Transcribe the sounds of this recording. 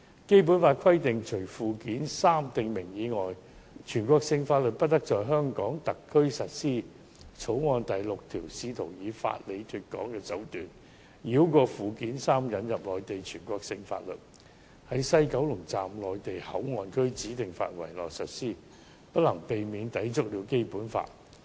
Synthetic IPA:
ke˥jp̬uː˨˥nfaː˧t̚kʰɐ˥jt̪ɪ˨ŋt͡ʃʰɵ˨˩fuː˨˩kiː˨˥nsaː˥mt̪ɪ˨ŋmɪ˨˩ŋjiː˨˧ŋɔː˨j | t͡ʃʰyː˨˩nkʷɔː˧ksɪ˧ŋfaː˧t̚lɵ˨t̚pɐ˥t̚t̪ɐ˥k̚t͡ʃɔː˨jɦœː˥ŋkɔː˨˥ŋt̪ɐ˨kʰːɵ˥ɥsɐ˨t̚siː˥ | t͡sʰo˨˥wŋɔː˧nt̪ɐ˨jlʊ˨k̚t̪ʰiː˨˩wsiː˧t̪ʰo˨˩wjiː˨˧fa̰ː˧t̚le˨˧jt̪ʰyː˧t̚kɔ̰ː˨˥ŋkɛː˧t͡sɐ˨˥wt̪yː˨n | jiː˨˧˥wkɔː˧fuː˨kiː˨˥nsaː˥mjɐ˨˧njɐ˨p̚lɔː˨jt̪e˨jt͡ʃʰyː˨˩nkʷɔː˧k̚sɪ˧ŋfa̰ː˧t̚lɵ̰˨t̚ | hɐ˨˥jsɐ˥jkɐ˨˥wlʊ˨˩ŋt͡saː˨mlɔː˨jt̪e˨jhɐ̰˨˥wŋɔː˨nkʰɵ˥ɥt͡siː˨˥t̪ɪ˨ŋfa̰ː˧t̚wɐ˨˩jlɔ̰ː˨˩k̚sɐ˨t̚siː˥ | pɐ˥t̚lɐ˨˩ŋpe˨jmiː˨˧nt̪ɐ˨˥jt͡sʊ˥k̚liː˨˧wke˥jpuː˨˥nfa̰ː˧t̚

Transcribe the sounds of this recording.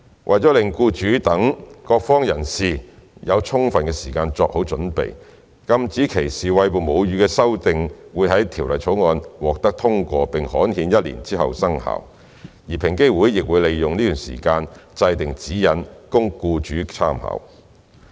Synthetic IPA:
wʔɐ˨jt͡sɔ˨˥lɪ˨ŋkuː˧t͡ʃyː˨˥t̪ɐ˨˥ŋkɔː˧k̚fɔː˥ŋjɐ̰˨˩nsiː˨jɐ˨˧wt͡sʰʊ˥ŋfɐ˨nkɛː˧siː˨˩kaː˧nt͡sɔː˧k̚ho˨˥wt͡ʃɵ˨˥npḛ˨j | kɐ˧mt͡siː˨˥kʰe˨˩jsiː˨˩wɐ˧jpo˨wmo˨˧wjyː˨˧kɛː˧sɐ˥wt̪ɪ˨ŋwuː˨˧jɦɐ˨˥jt̪ʰiː˨˩wlɐ˨jt͡ʃʰo˨˥wŋɔː˧nwɔː˨k̚t̪ɐ˥k̚t̪ʰʊ˥ŋkʷɔː˧pɪ˨ŋhɔː˨˥nhiː˨˧njɐ˥t̚lḭ˨˩nt͡siː˥hɐ̰˨wsɐ˥ŋha̰ː˨w | jiː˨˩pʰɪ˨˩ŋke˥jwuː˨˥jːɪ˨k̚wuː˨˧jle˨jjʊ˨ŋniː˥t̪yː˨˩nsḭː˨˩kaː˧nt͡sɐ˧jt̪ɪ˨˩ŋt͡siː˨˥jɐ˨˥nkʊ˥ŋkuː˧t͡ʃyː˨˥t͡sʰaː˥mhɐ̰˨˩w

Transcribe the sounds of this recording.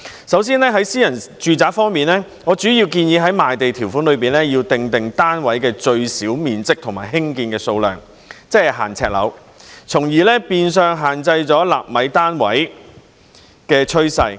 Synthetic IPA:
sɐ˨˥wsiː˥nlɛː˥ɦɐ˨˥jsiː˥jɐ˨˩nt͡ʃyː˨˧t͡saː˨˥k̚fɔː˥ŋmiː˨nlɛː˥ | ŋɔː˨˧t͡ʃyː˨˥jiː˧wkiː˧njiː˨˧ɦɐ˨˥jmaː˨jt̪e˨jt̪ʰiː˨˩wfu˨˥nlɵ˨˧ɥpiː˨nlɛː˥jiː˧wt̪ɪ˨ŋt̪ɪ˨ŋt̪aː˥nwɐ˨˥jkɛː˧t͡ʃɵ˧ɥsiː˨˥wmiː˨nt͡sɪ˥k̚t̪ʰʊ˨˩ŋmaː˨˩ɦɪ˥ŋkiː˧nkɛː˧so˧wlœ̰ː˨˩ŋ | t͡sɛ˥hɐ˨˩ɦa̰ː˨˩nt͡sʰɛ̰ː˧k̚lɐ̰˨˧w | t͡sʰʊ˨˩ŋjiː˨˩lɛː˥piː˧ns̬œː˨˧ŋɦaː˨˩nt͡sɐ˧jt͡sɔː˨˥laː˨˩p̚mɐ˨˥jt̪aː˥nwɐ̰˨˥j | kɛː˧t͡ʃʰɵ˥ɥsɐ˧j

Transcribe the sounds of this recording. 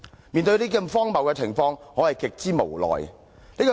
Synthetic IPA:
miː˨nt̪̬ɵ˧ɥliː˥ki˧mfɔː˥ŋmɐ˨wkɛː˧t͡sʰɪ˨˩ŋfɔː˧ŋhɔː˨˥hɐ˨jkɪ˨k̚t͡siː˥mo˨˩wlɔ̰ː˨˩j | liː˥kɔ˧

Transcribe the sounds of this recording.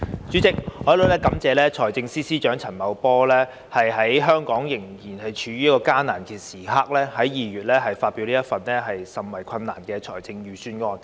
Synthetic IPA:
t͡syː˨˥t͡sɪ˨k̚ɔː˨jlo˨˧wlɛː˥kɐ˨˥mt͡sɛː˨˧lɛː˥t͡ʃʰɔː˨˩jt͡sɪ˧ŋsiː˥siː˥t͡ʃœː˨˥ŋt͡sʰɐ˨˩nmɐ˨˧wpɔː˥lɛː˥ | hɐ˨jɦɐ˨˥jɦœː˥ŋkɔː˨˥ŋjɪ˨˩ŋjiː˨˩nhɐ˨jt͡ʃʰyː˨˧ɥyː˥ɐ˥kɔː˧kaː˥naː˨˩nkʰi˨˩siː˨˩ɦaː˥k̚lɛː˥hɐ˨˥jjiː˨ɥyː˨t̚lɛː˥ɦɐ˨jfaː˧t̚pi˨˧wliː˥jɐ˥t̚fɐ˨nɛː˥ɦɐ˨jsɐ˨mwɐ˨˩jkʷʰɐ˧nːaː˨˩nkɛː˧t͡ʃʰɔː˨˩jt͡sɪ˧ŋjyː˨syː˥nŋɔː˧n

